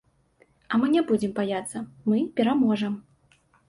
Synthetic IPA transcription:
ɐmɨnʲabud͡zʲɪmbajat̪sːɐmɨpʲɛɾamɔʐɐm

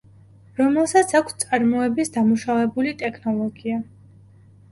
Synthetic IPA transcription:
ɾɔmɛlˠsat̪sʰakʷʰst̪sʼaɾmɔɛbisd̪amuʃavɛbulit̪ʼɛkʰnɔlˠɔɡia

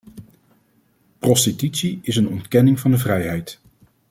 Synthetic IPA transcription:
prɔstitytsiɪsənɔntkɛnɪŋvɑndəvrɛjɦɛjt

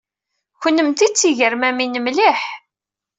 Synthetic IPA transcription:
çənːəmt̪it͡sːiʝəɾmæminəmliħ

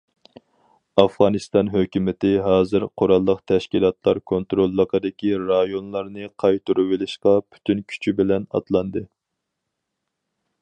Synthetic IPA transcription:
ɑfʁɑnɨst̪ɑnɦøkʲymɪt̪ɪɦɑːzɨɾqʰoɾɑlˠːəqt̪ʰɛʃkʲilˠɑt̪ʰlˠɑɾkʰont̪ɾolˠːəqʰəd̪ɪkʲiɾɑjonlˠɑɾnɨqʰɑjt̪uɾuwɪlɪʃqɑpʰy̥t̪ʰynkʲʰy̥t͡ʃʰybɪlɛnɑ̰t̪lˠɑnd̪ɨ

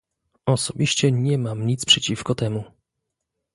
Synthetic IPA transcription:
ɔsɔbʲiɕt͡ɕɛɲɛmamɲit̪spʂɛt͡ɕifkɔt̪ɛmu

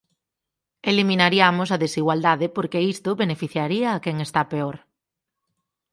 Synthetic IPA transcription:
elimĩnaɾiamʊsɐðesiɣwald̪aðɪpoɾkeist̪ʊβenefiθjaɾiɐːkɛŋest̪apeɔɾ

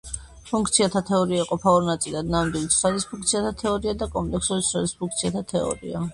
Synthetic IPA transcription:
pʰuŋkʰt̪sʰiat̪ʰat̪ʰɛɔɾiaiqʼɔpʰaɔɾnat̪sʼilad̪namd̪wilit̪sad̪ispʰũŋkt̪sʰiat̪ʰat̪ʰɛɔɾiad̪akʼɔmpʼlɛksudit̪sad̪ispʰuŋk̚t̪sʰiat̪ʰat̪ʰɛɔ̰ɾḭa̰

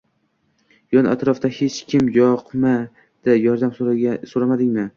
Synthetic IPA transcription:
jɒna̰t̪ʰɾɒfd̪ahet͡ʃkʲʰɪmjɒqma | d̪̥ɪjɒɾd̪amsoɾamad̪ɪŋʲmɪ

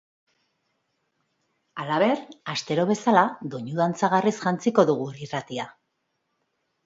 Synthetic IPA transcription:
alaβe̞ɾast̪e̞ɾo̞β̞e̞salaðo̞ɲuðant͡saɣ̞arisʝant͡siko̞ðuɣ̞urirat̪ia

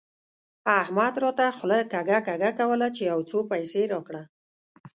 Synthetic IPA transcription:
ahmad̪ɾot̪axʊlajkaɡakaɡakawəlat͡ʃejawt͡sopajseɾɑkɽa

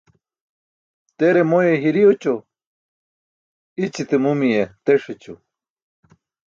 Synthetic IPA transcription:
t̪eɾemojeɦiɾijot͡ɕo | it͡ɕit̪emumijet̪eʂet͡ɕu

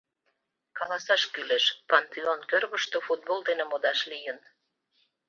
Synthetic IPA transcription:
kɑlɑsɑʃkyleʃpɑnt̪eonkørβə̆ʃt̪ofut̪̚bold̪enĕmod̪ɑʃlijə̆n

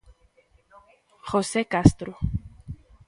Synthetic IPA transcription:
xosekast̪ɾu

